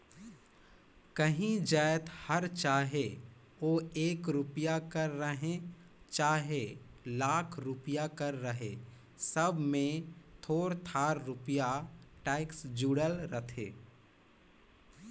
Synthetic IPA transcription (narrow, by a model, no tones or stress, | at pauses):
kəɦĩd͡ʒaːjt̪həɾt͡ʃaːɦe | oːeːkɾʊpjakəɾːəɦẽ | t͡ʃaːɦelaːkʰɾʊpjakəɾːəɦe | səbʱmẽt̪ʰoːɾt̪ʰaːɾɾʊpjaʈɛːɪksd͡ʒuɽəlɾət̪ʰḛː